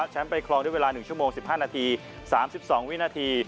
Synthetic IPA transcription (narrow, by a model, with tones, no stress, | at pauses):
t͡ɕʰa˦˥npa˧jkʰlɔː˧ŋdu˥˩˨we˧lːnɯ˨˩ŋt͡ɕʰu˥˩əmoː˧ŋsi˨˩p̚haː˥˩naː˧t̪ʰiː˧ | saː˩˦msi˨˩p̚sɔː˩˦ŋwi˦˥naː˧t̪ʰiː˧